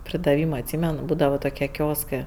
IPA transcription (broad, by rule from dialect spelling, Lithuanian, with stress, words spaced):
pʲrʲɪdɐˈʋʲiːmɐ ɐtʲˈsʲiːmʲɛn ˈbuːdɐʋɐ toːˈkʲiɛ ˈkʲoːskɜ